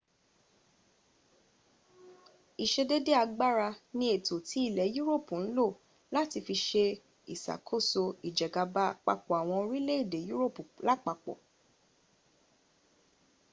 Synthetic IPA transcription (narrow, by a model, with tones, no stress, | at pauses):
i˨ʃe˧de˦de˦a˧ɡ͡ba˦ɾa˧nĩ˧˦e˨to˨ti˨˦i˦˨lɛ˨˦ju˦ɾo˦˨pu˨n̩˦lo˦˨ | la˦ti˧fi˧ʃe˧ | i˨sa̰˨kʰo˦˨so˧i˨d͡ʒɛ˨ɡa˧ba˧˦k͡pa̰˧k͡pɔ˨a˨w̃ɔ̃˧ɾi˦le˦i˦˨de˨ju˦ɾo˦˨pu˨la˦k͡pa˧k͡pɔ̰˨